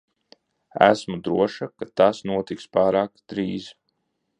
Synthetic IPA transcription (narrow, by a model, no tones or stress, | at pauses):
æ̰smud̪ɾuɔʃakat̪asnuɔt̪ikspaːɾaːkd̪̥ɾiːz